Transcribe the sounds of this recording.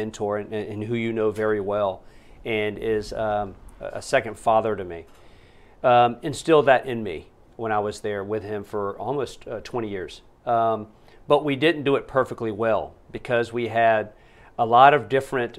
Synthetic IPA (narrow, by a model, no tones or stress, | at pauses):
ɨ̃ntʰɔɹɨ̃nɨ̃nɦʉjɨnoʊvɛɹiwɛlˠ | ɨ̃nɪz | ə̰sɛkɨ̃nd̥fɑðə˞ɾɨmi | ɨ̃nstɪlˠðɨɾʔɪ̃nmḭ | wə̃ɾ̃aɪwʌzðə˞wɪð̥ɪ̃ɱfə˞ɔ̰lˠmoʊsttʰw̥ɛ̃ɾ̃ijɪɹz̥ | b̥ʌʔ̚widɪdⁿn̩d̥ɨɨt̚pʰɜ˞fɨk̚tˡliwɛlˠb̥ɨkʰʌzwiɨɾ | əlɔɾʌvdɪfɹɨ̃nt